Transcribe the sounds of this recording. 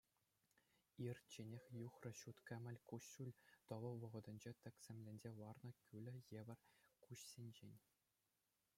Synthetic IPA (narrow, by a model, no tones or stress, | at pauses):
irʲt͡ɕenʲexʲjuχrɤ̆ɕut̪kʲɘ̆mʲɘ̆lʲkuɕulʲt̪ɤ̆ʋɤ̆ʋɤ̆ʁɤ̆d̪ɤ̆nʲd͡ʑet̪ʲɘ̆kʲsʲĕmʲlʲĕnʲd͡ʑeʋɑrnɤ̆kʲylʲɘ̆jeʋʲɘ̆rʲkuɕsʲenʲd͡ʑenʲ